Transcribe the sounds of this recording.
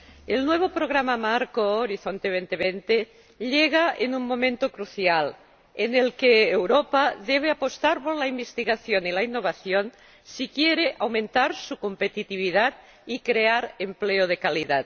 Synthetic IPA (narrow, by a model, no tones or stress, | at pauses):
elnweβ̞opɾoɣ̞ɾamamaɾkoːɾiθont̪eβ̞ent̪eβent̪e | ʎeɣ̞aenuŋmõ̞mẽnt̪okɾuθjal | enelkeːwɾopaðeβ̞eapost̪aɾpoɾlaimbest̪iɣaθjonilainːoβ̞aθjon | sikjeɾeʔawmẽnt̪aɾsukompet̪it̪iβ̞iðat̪ | ikɾeaɾempleoð̞ekaliðat̪